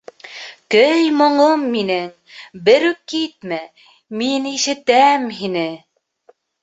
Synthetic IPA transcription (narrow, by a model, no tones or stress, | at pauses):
kɵjmŏɴomːinɘŋ | bɘ̆ɾʉkːit̪̚mæ | miniʃɘ̆t̪æmɦinɘ